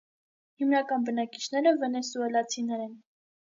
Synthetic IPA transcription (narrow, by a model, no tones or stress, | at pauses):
himnɑkɑnbənɑkit͡ʃʰnɛɾəvɛnɛsuɛlɑt͡sʰinɛɾɛn